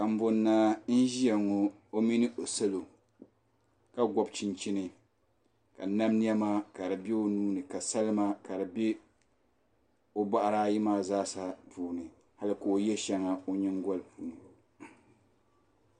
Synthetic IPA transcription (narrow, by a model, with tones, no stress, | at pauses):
ka˨m̩˦bʊ˨˦nːa˦n̩˦ʒi˦a˨ŋo˦ | o˦mi˦nɨ˦ʔo˨sa˦lo˨ | ka˦ɡʷɔ˨bt͡ʃi˦nt͡ʃi˦nɨ˨ | ka˨na˦mni˦a˦maː˦ka˨ɾɨ˨be˦o˦nuː˦nɨ˨ka˨sa˦lɨ˦ma˦ka˨ɾɨ˨bɛ˦ | o˦ba˦ʔa˦ɾaː˦ji˦maː˦˨zaː˦sa˦puː˨nɨ˨ | ha˦lɨ˦koː˨jɛ˦ʃɛ˨˦ŋa˨o˦ɲɪ˦ŋ˦ɡɔ˦lpuː˨nɨ˨